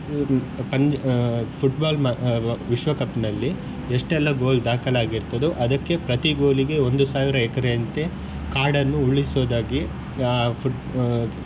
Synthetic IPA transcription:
pɐɲ | pʰuʈbaːlmɐʋiʃʋɐkɐpnɐlːi | eʂʈɛlːɐɡo̞ːld̪aːkɐlaːɡiɾt̪ɐd̪uʔɐd̪ɐkːe̞pɾɐt̪iɡo̞ːliɡe̞o̞nd̪usaːʋiɾɐɛkɐɾeɐnt̪e | kaːɾɖɐnːuuɭisoːd̪aːɡi | pʰu

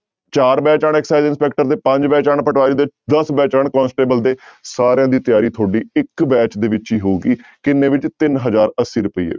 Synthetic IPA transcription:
t͡ʃaːɾbɛːt͡ʃaːɳ̃ɛːksaːizɪnspɛːk̚ʈəɾt̪eːpə̃ɲd͡ʒbɛːt͡ʃaːɳpəʈaːliːd̪eːd̪əsbɛːt͡ʃaːɳkɔ̃ːnsʈeːbəld̪eːsaːɾejãːd̪iːt̪ɪjaːɾiːt̪ʰoːɖiːɪkbɛːt͡ʃd̪eːʋɪt͡ʃiːɦoːɡiːkɪneːʋɪt͡ʃt̪ɪnɦəzaːɾəsːiːɾʊpəḭːḛː

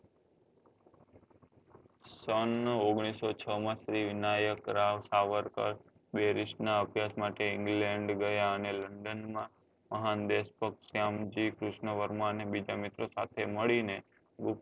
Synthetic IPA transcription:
sənoɡɽ̃isot͡ʃʰəmãsɾiʋɪnajəkɾaʋsaʋəɾkə̰ɾ | beɾɪʃʈnaəbjasmaʈeɪ̃ŋɡlẽɳɖɡəjaəneləɳɖənmã | məɦand̪espəksjamd͡ʒikɾɪʃnəʋəɾmanebid͡ʒamɪt̪ɾosat̪ʰeməɭine | ɡʊ

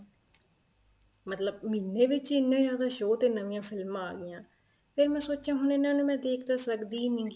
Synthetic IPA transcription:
mət̪ləb̚minːeːʋɪt͡ʃɪnːãːd͡ʒjaːd̪aːʃoːt̪eːnəʋɪjãːpʰɪlmːaːɡɪjãː | pʰɪɾmɛ̃ːsoːt͡ʃãːɦʊnenːaːnũːmɛ̃ːd̪eːkʰd̪aːsəkd̪iːnɪ̃ŋɡ

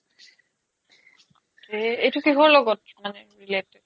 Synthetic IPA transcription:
eeʈukiɦoloɡott͡ʃʰomaneɾileʈe

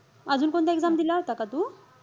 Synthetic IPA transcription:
ad͡zuːnkoɳt̪aeɡd͡zamd̪ilaɦot̪akat̪u

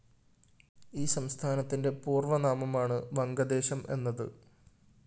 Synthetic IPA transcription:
iːsɐmst̪ʰaːnɐt̪ːinde̞puːrʋɐnaːmɐmaːɳɨʋɐŋɡɐd̪e̞ːɕɐmʔe̞̰nːɐðɨ̰

